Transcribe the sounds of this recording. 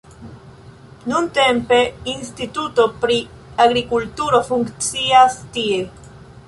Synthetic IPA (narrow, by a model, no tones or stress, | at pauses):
nunt̪empeinst̪it̪ut̪opɾi | aɣɾikult̪uɾofuŋkt͡siast̪ie